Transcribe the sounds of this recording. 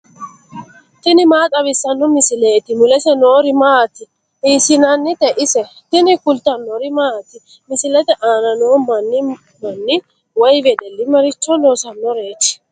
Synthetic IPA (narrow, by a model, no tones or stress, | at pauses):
t̪ɪnɪmaːt̪ʼɐβɪsːɐnːɔmɪsɪleːt̪ɪmʊlɛsɛnoːɾɪmaːt̪ɪ | iːsɪnɐnːɪt̪ɛʔɪsɛ | t̪ɪnɪkʊlt̪ɐnːoɾɪmat̪ɪ | mɪsɪlɛt̪ɛʔaːnɐnoːmɐnːɪ | mɐnːɪ | wɔjvɛd̪ɛlːɪmɐɾɪt͡ʃːɔnoːsɐnːɔɾe̞ːt͡ʃːɪ̥